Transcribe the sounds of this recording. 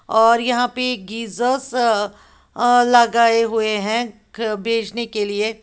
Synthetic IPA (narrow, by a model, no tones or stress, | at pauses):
ɔːɾjɐɦãpeɡiːzəs | lɐɡaːeɦueɦɛ̃ | bʱeːd͡ʒnekelie